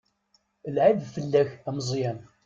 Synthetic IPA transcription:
əlʕiðfəlːæçæməzˤjæn

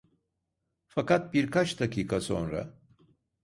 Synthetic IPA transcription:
fakat̪̚biɾkʰat͡ʃd̪akʰʲiːkʰaso̰nɾa̰

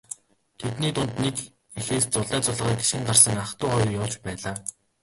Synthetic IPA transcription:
t̪ʰet̪niːt̪ʊnt̪nek | exeːst͡sʊɮæːt͡sʊɮ̆ʁiːke̥ʃxɘ̆ŋɢarsə̆ŋaχt̪ʊːχɔjrjʊːt͡ɕpæːɮaː

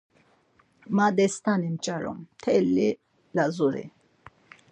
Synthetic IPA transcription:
mad̪ɛst̪animt͡ʃʼaɾɔ̰mt̪ʰɛlːi | lazuɾḭ

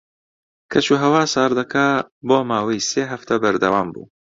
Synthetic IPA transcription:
kʰɐt͡ʃuːɦɐwaːsaːɾd̪ɐkʰaboːmaːwɐjseːɦɐft̪ʰɐbɐɾd̪ɐwaːmbṵː

